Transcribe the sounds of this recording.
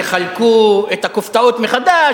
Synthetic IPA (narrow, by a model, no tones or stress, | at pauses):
χalkuet̪akoft̪aot̪meχad̪a